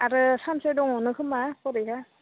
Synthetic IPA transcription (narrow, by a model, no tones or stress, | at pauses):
aɾɯsamsedɔŋɔnɯkʰɯmakʰɔɾɯjka